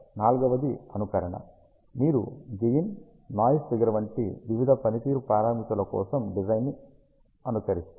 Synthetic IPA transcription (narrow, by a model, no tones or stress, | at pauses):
naːlɡɐʋɐd̪iɐnukɐɾɐɳɐ̰ | miːɾud͡ʒejinː | aːjsd̪ɐɡɐɾɐʋɐɳʈḭʋiʋid̪ʱɐpɐnit̪iːɾupɾaːɾaːmit̪ɐlɐkɔ̰ːsɐmɖid͡ʒɐjnːi | ɐnusɐɾist̪u